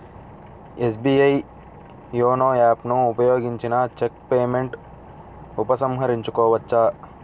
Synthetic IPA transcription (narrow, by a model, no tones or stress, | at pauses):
es̬biːɐi | joːnoːaːpnũʊpɐjoːɡiɲt͡ʃinaːt͡ʃek̚peːmeɳʈ | ʊpɐsɐmɦɐɾɪɲt͡ʃukoːʋɐtːʃaː